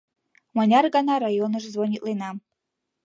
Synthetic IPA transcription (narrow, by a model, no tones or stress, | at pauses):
manʲarɡanaɾajonɨʐzvonʲit̪lˠenam